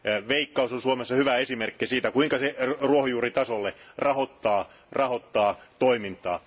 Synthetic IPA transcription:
ʋeikːɑusonsuomesːɑhyʋæesimerkːisiːt̪ækuiŋkɑseruohojuːrit̪ɑsolːerɑhot̪ːɑː | rɑhot̪ːɑːt̪oimint̪ɑː

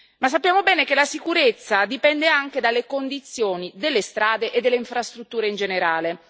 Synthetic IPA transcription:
mas̬ːapːjaːmobɛːnekelasikuɾet̪sːad̪ipɛnd̪eaŋk̟ed̪alːekond̪it̪sːjoːnid̪elːest̪ɾaːd̪eʔed̪ːelːeiɱfɾast̪ɾut̪ːuːɾeind͡ʒeneɾaːle

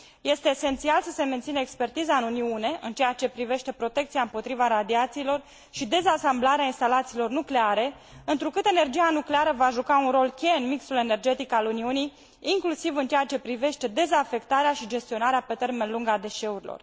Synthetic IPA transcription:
je̞st̪e̞ːse̞nt̪sialsəse̞ment̪sinəekspe̞rt̪izaɨnuniune̞ʔɨnt͡ʃejat͡ʃe̞pɾive̞ʃt̪e̞pɾo̞t̪e̞kt̪siaɨmpo̞t̪ɾivaɾad̪iat̪siːlo̞r | ʃid̪e̞zasamblaɾeainst̪alat̪siːlo̞rnukle̞aɾe̞ | ɨnt̪ɾukɨt̪e̞ne̞rd͡ʒianukle̞aɾəvaʒukaunro̞lkʲe̞ɨnmiksule̞ne̞rd͡ʒe̞t̪ikaluniunij | iŋklusivɨnt͡ʃeat͡ʃe̞pɾive̞ʃt̪e̞d̪e̞zafe̞kt̪aɾeaʃid͡ʒe̞st̪io̞naɾeape̞t̪e̞rme̞nluŋɡad̪e̞ʃe̞uɾilo̞̰r

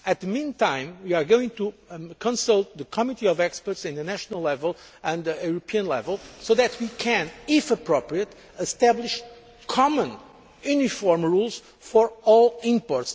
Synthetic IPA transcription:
ɨt̪̚ðəmĩnt̪ãɪ̃mwiaɹɡowĩŋt̪ukʰɔ̃nsʌlˠt̪̚ðəkʰɔmit̪iɔvɛkspə˞tsɪ̃nðɨnæʃənəlˠlɛvəlˠɨ̃nðɨuɾopʰiɨ̃nlɛ̰vəlˠsoðɛt̪ʰwikʰɨ̃nɪfəpɹopɹiət̪ | ɨst̪æbliʃ | kʰɔmə̃n | junifɔɹmɹulˠz̥ | fɔɹɔlˠĩmpɔɹts

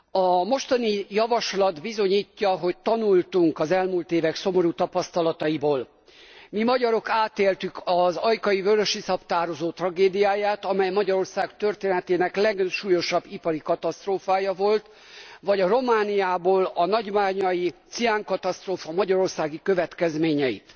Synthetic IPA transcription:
ɒmo̞ʃt̪ɒnijɒvɒʃlɒd̪bizo̞ɲiːcːɒɦo̞ct̪ɒnult̪uŋkɒzɛlmuːlt̪eːvɛkso̞mo̞ɾut̪ɒpɒst̪ɒlɒt̪ɒiboːl | mimɒɟɒɾo̞kaːt̪eːlt̪ykɒzɒjkɒjivøɾøʃisɒpt̪aːɾozoːt̪rɒɡeːd̪ijaːjaːt̪ɒmɛjmɒɟɒɾo̞rsaːkt̪ørt̪eːnɛt̪eːnɛklɛɡʃuːjo̞ʃɒbːipɒɾikɒt̪ɒst̪roːfaːjɒvo̞lt̪ | vɒɟɒro̞maːnijaːboːlɒnɒɟmaːɲɒjit̪siaŋkɒt̪ɒst̪roːfɒmɒɟɒɾo̞rsaːɡikø̞vɛt̪kɛzmeːɲɛjḭt̪

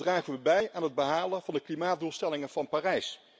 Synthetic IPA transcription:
draːχəʋəbɛjaːnɦəd̚bəɦaːlənvɑndəklimaːt̚dulˠstɛlɪŋənv̥ɑnpaːrɛjs

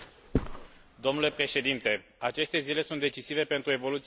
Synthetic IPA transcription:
d̪o̞mnule̞pɾe̞ʃe̞d̪int̪e̞at͡ʃe̞st̪e̞zile̞sunt̪d̪e̞t͡ʃisive̞pe̞nt̪ɾue̞vo̞lut̪s

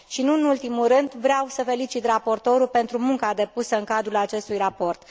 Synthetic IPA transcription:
ʃinuɨnult̪imulɾɨnd̪vɾeawsəfe̞lit͡ʃit̪rapo̞rt̪o̞ɾupe̞nt̪ɾumuŋkad̪e̞pusəɨŋkad̪ɾulat͡ʃe̞st̪ujrapo̞rt̪

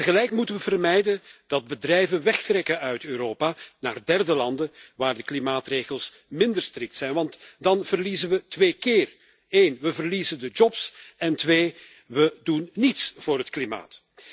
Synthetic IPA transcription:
təɣəlɛjkmutənʋəvərmɛjdənd̥ɑd̚bədrɛjvənʋɛxtrɛkəœɥtøːɾoːpaːna̰ːrdɛrdəlɑndəʋaːrdəklimaːtreːɣəlˠs | mɪndərstrɪk̚tsɛjnʋɑntdɑnv̥ərlizənʋətʋeːkɪːr | eːnʋəvərlizəndəd͡ʒɔpsɛntʋeː | ʋədunːitsv̥ʊːrɦətklima̰ːt

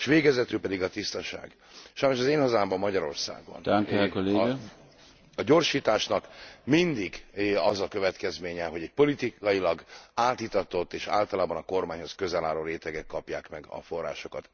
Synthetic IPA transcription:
ʃʋeːɡɛzɛt̪yːpɛd̪iɡɒt̪ist̪ɒʃa̰ːɡ | ʃɒjnoʃɒzeːnhɒzaːmbɒmːɒɟɒɾo̞̰rsa̰ːɡbɒ̰naŋkekoleːɡ | ɒɟo̞rʃiːt̪aːʃnɒkmind̪iɡɒzɒkø̞vɛt̪kɛzmeːɲɛɦo̞ɟɛɟ̚po̞lit̪iɒjilɒɡaːt̪it̪ɒt̪o̞t̪ːeːʃa̰ːlt̪ɒlaːbɒnɒko̞rmaːɲho̞skøzɛlaːloːɾeːt̪ɛɡɛkːɒpjaːkmɛɡɒ̰fo̞rːa̰ːʃo̞kɒt̪

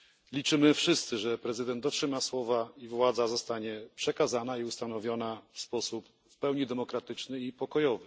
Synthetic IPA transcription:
lʲit͡ʂɘmɘfʂɘst̪sɘʐɛpɾɛzɘd̪ɛnt̪d̪ɔtʂɘmaswɔvaivwad̪zazɔst̪aɲɛpʂɛkazanaiust̪anɔvʲjɔnafspɔsup | fpɛwɲid̪ɛmɔkɾat̪ɘt͡ʂnɘipɔkɔjɔvɘ

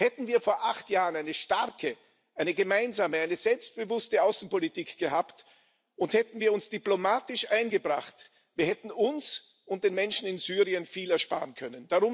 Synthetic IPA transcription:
hɛtn̩viːɐfoːɐʔaχtjaːʁənaɪnəʃtaʁkʰə | ʔaɪnəɡəmaɪnzaːməaɪnəzɛlpst̚b̥əvʊstəaʊsn̩politiːkɡ̥əhaːpt | ʊnthɛtn̩viːɐʊnsd̥iplomaːtɪʃʔaɪnɡəbʁa̰χt | v̥iːɐhɛtn̩ʊns | ʊnt̚d̥eːnmɛnʃn̩ɪnzyːʁiənfiːlɛɐʃpa̰ːʁənkʰœnənd̥aʁʊm

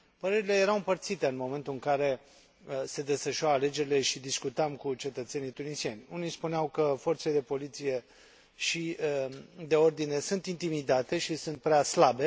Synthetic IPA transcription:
pəɾe̞ɾile̞je̞ɾawɨmpərt̪sit̪e̞ɨnmo̞me̞nt̪uɨŋkaɾe̞ | se̞d̪e̞sfəʃuaale̞d͡ʒe̞ɾile̞ʃid̪iskut̪amkut͡ʃe̞t̪ət̪se̞nijt̪unisienʲunijspuneawkəfo̞rt̪seled̪e̞po̞lit̪sije̞ | ʃi | d̪e̞o̞rd̪ine̞sunt̪int̪imid̪at̪e̞ʃisunt̪̚pɾeaslabe̞

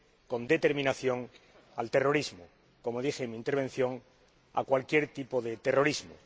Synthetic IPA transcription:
kõ̞nd̪e̞t̪eɾmĩnaθjo̞ŋ | a̰lt̪e̞ro̞ɾizmo | ko̞moðixemĩnt̪eɾβe̞n̟θjo̞ŋ | a̰kwalkje̞ɾt̪ipo̞ðet̪ero̞ɾizmo̰

